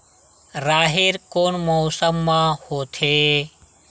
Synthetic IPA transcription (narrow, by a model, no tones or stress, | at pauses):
ɾaːɦeɾkonmɔːsəmːãhoːt̪ʰe